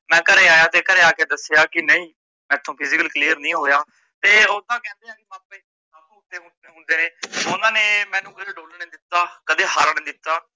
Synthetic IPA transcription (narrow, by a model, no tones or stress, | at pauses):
mɛ̃ːkəɾeːaːjaːt̪eːkəɾeːaːkeːd̪əsːejaːkɪnəĩː | mɛ̃ːt̪ʰːõːpʰɪzɪkəlkliːəɾnĩːɦoːjaː | t̪eːoːt̪ãːkɛ̃ːnd̪eːnaːpːiː | aːlũːʊt̪ːeːɦʊ̃ | ɦʊ̃nd̪eːneːʊnãːneːmɛ̃ːnũːkəd̪eːɖoːlnĩːd̪ɪt̪ːaːkəd̪eːɦaːɾnĩːd̪ɪt̪ːaː